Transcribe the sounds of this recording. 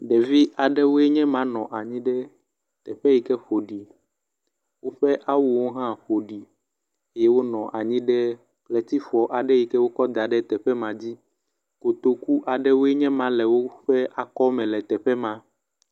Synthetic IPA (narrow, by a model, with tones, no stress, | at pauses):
ɖɛ˨vi˦ʔa˨ɖɛ˦wo˦ɛ˦ɲɛ̃˦mã˦nɔ̃˨ʔa˨ɲĩ˦ɖɛ˦ | t̪ɛ˨ɸɛ˦ji˨kɛ˦ɸo˨ɖi˨ | wo˦ɸɛ˦ʔa˦wu˨wo˦ɦã˦ɸo˨ɖi˨ | e˦jɛ˦wo˦nɔ̃˨ʔa˨ɲĩ˦ɖɛ˦ | klɛ˨t̪i˦ɸɔ˨ʔa˨ɖɛ˦ji˨kɛ˦wo˦kɔ˦d̪a˨ɖɛ˦t̪ɛ˨ɸɛ˦mã˨d͡ʑi˦ | ko˨t̪o˨ku˦ʔa˨ɖɛ˦wo˦ɛ˦ɲɛ̃˦mã˦lɛ˨wo˦ɸɛ˦ʔa˨kɔ˦mɛ̃˨lɛ˨t̪ɛ˨ɸɛ˦mã˦